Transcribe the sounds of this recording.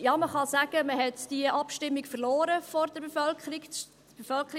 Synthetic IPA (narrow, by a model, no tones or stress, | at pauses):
jɑːməχɑsæɡ̥əməɦɛtd̥iəʔɑpʃtɪmːikfəɾloːɾəfɔɾd̥əɾbefœlkχəɾik | b̥efœlkχəɾi